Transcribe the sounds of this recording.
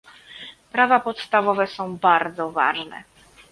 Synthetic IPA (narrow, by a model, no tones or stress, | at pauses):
pɾavapɔt̪st̪avɔvɛsɔ̃w̃baɾd̪zɔva̰ʐnɛ̰